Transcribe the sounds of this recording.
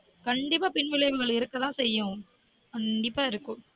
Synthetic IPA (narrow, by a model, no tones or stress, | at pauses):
kɐɳɖɪp̬ːaːpɪnʋɪlɐɪʋɯɣɐɭɪɾɯkːɐt̪ãːsɛjːʊ̃ | kɐɳɖɪpːaːɪɾɯkːɯ̃m